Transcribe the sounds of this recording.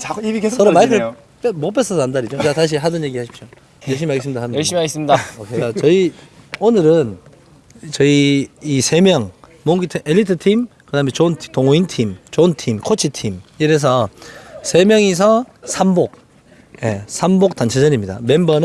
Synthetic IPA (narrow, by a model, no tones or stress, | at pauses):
iikesʰʌɾomaikʰɯɭ | pmop͈es͈ʌsʰʌandaɾid͡ʑokeataɕ̬ʰiɦadʌnje̞ɡihaɕʰi̥p̚ɕ͈o | jʌɭɕ̬ʰimimaɡesɯmɲidaajʌɕʰimiaɡis͈ɯmɲidaokʰekat͡ɕʌionɯɾɯn | t͡ɕʌiisʰe̞mjʌŋmoŋɡitʰiʔeʎːitʰɯtʰimkɯdaɦɯmet͡ɕonʰtoŋointʰimt͡ɕontʰimkʰot͡ɕʰitʰimiɾes̬ʰʌsʰe̞mjʌŋes̬ʰʌsʰambok̚ | je̞sʰambok̚t͈ant͡ɕʰed͡ʑʌɲimɲida̰me̞mbʌnɯ